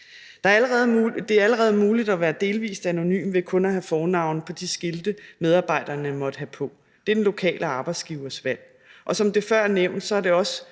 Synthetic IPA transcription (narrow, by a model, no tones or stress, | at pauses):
d̥ɑ̈æɐælʁɛð̞̩ˠd̥e̝æɐæləʁɛːð̞̩ˠmuːlid̥æʋæːɐd̥e̝ːlʋḭːsd̥æno̝ny̰ːmʋe̝kʰɔ̽næɦæfɒːnɑ̈ʊ̰npʰɒ̽d̥isɡ̥e̝ld̥əmeð̞ˠɑ̈ːb̥ɑ̈ɪ̰d̥ɐːnəmɒ̽d̥əɦæpʰɒ̽ | d̥e̝ɐd̥enlo̝kʰɛ̰ːlʔəɑ̈ːb̥ɑ̈ɪd̥sɡ̥iːʊɐsʋæl̰ | ʔɒ̽sɒ̽md̥e̝fɶɐ̰neʊ̰nd̥sɒ̽æɐd̥e̝ɒ̽sə